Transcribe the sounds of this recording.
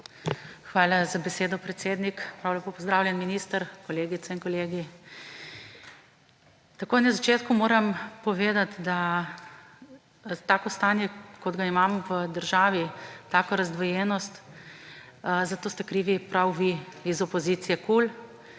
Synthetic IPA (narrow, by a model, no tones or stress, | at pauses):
xʋaːlazabɛseːd̪ɔpɾɛt̪seːd̪nikpɾawlʲɛpoːpɔzd̪ɾaːwlʲjɛnminist̪əɾkɔleːɡit̪sɛinkɔleːɡi | t̪akoːjnazat͡ʃeːt̪kumoːɾɐmpɔʋeːd̪at̪d̪a | t̪aːkɔst̪aːnjɛkɔd̪ɡaimamʋəd̪əɾʒaːʋit̪aːkɔɾazd̪ʋɔjɛːnɔst̪ | zat̪oːst̪ɛkɾiʋipɾawʋiizɔpɔziːt̪sijɛkul